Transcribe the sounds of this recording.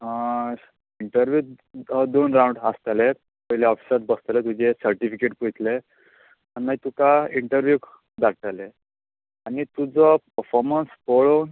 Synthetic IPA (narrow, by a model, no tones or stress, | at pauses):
iɳʈəɾʋjuː | d̪onɾãwɳɖast̪ale | pəjljaɔfi̥sat̪̚bəst̪let̪ud͡ʑesəɾʈifikeʈpujt̪le | aninːaɦit̪ukaiɳʈəɾʋjuk | d̪aɽt̪ale | anit̪ud͡zəpəɾfɔɾmənspoɭown